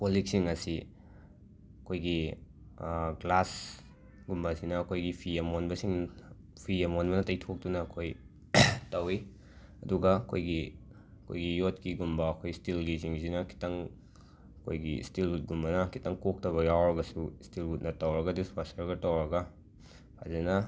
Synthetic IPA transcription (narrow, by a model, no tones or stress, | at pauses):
polik̚siŋɐsi | ɐkʰojɡi | ɡlas | ɡumbɐsinɐːkʰojɡipʰiemonbɐsiŋ | pʰiemonbɐnɐtɐjtʰok̚tunɐkʰoj | tɐwi | ɐduɡɐɐkʰojɡi | ɐkʰo̰jɡijot̚kiɡumbɐːkʰojstilɡiziŋzinɐkʰi̥tɐŋ | ɐkʰojɡḭstilut̚ɡumbɐnɐkʰi̥tɐŋkok̚tɐβɐjawɾɐɡɐsustilhut̚nɐtɐwɾɐɡɐdispasɐɾɡɐtɐwɾɐɡɐ | pʰa̰zenɐ